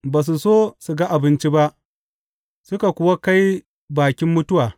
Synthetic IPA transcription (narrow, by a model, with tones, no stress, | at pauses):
baː˨s̬u˨soː˦su˨ɡa˦ʔa˨bɪ˦nt͡ʃi˦ba˦ʔ | sʊ˦ka˨kʷʊ˦wa˦ka˦j | baː˨kʲɪ˦mːʊ˦tʊ˦waː˨